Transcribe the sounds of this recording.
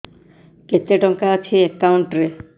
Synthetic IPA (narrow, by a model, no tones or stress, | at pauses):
ket̪ːeʈɔŋkaət͡ʃʰiekːawɳʈɾe